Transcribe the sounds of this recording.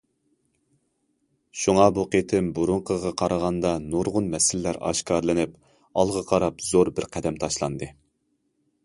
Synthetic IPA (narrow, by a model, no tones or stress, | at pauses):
ʃuŋɑbuqet̪ʰɪmbuɾuɴqʰəʁɑqʰɑɾɑʁɑnd̪ɑnoɾʁʊnmɛsɪlɪːæɾɑ̰ʃkʰɑɾlˠɨnɪp | ɑlˠʁɑqʰɑɾɑpz̥oɾbɪɾqʰæd̪ɛmt̪ʰɑʃlˠɑ̰nd̪ɨ